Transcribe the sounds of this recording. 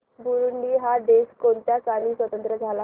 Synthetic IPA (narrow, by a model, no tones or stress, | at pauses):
buɾuɳɖiːɦad̪eskont̪jasaniːsʋət̪ənt̪ɾəd͡zʱala